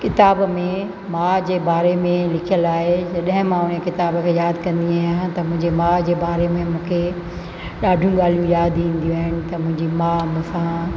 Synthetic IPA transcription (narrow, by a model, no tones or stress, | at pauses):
kɪt̪aːbmẽ | mãd͡ʑeːbaːɾemẽlɪkʰijəlaːɦed͡ʑɐɗɦɪ̃mãʊnkɪt̪aːbkʰeːjaːd̪kɐ̃nd̪iaːɦɪj̃t̪ɐmʊ̃ɦɪ̃ɲd͡ʑemãd͡ʑeːbaːɾemẽmũːkʰe | ɗaːɖʱjũɠaːl̤ijũjaːd̪ĩːnd̪ijũaːɦɪnɪ̆t̪ɐmʊ̃ɦɪ̃ɲd͡ʑimãm̃sã